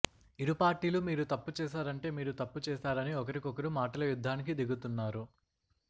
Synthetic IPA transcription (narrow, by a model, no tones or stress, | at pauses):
iɾupaːɾʈiːlumiːɾut̪ɐpːut͡ʃɛːʃ̬aːɾɐɳʈe̞ːmiːɾut̪ɐpːut͡ʃɛːsaːɾɐniɔkɐɾikɔkɐɾumaːʈɐlɐjud̪ʱːaːnik̬id̪iɡut̪unːaːɾu